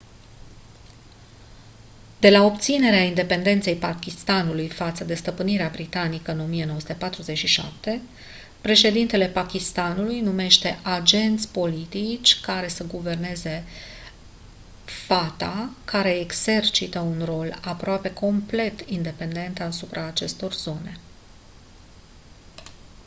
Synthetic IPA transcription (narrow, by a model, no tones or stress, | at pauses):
d̪̥e̞lao̞pt̪sine̞ɾeaind̪e̞pe̞nd̪e̞nt̪se̞jpakʲist̪anulujfat̪səd̪e̞st̪əpɨniɾeabɾit̪anikəɨno̞mije̞noəsut̪e̞pat̪ɾuze̞t͡ʃʃiʃa̰p̚t̪e̞ | pɾe̞ʃe̞d̪int̪e̞le̞pakʲist̪anulujnume̞ʃt̪e̞ʔad͡ʒe̞nt̪sʲpo̞lit̪it͡ʃʲkaɾe̞səɡuve̞rne̞ze̞ | fat̪akaɾe̞ːɡz̥e̞rt͡ʃit̪əunro̞lapɾoape̞kʰo̞mple̞t̪ind̪e̞pe̞nd̪e̞nt̪asupɾʔaːt͡ʃe̞st̪o̞rzo̞ne̞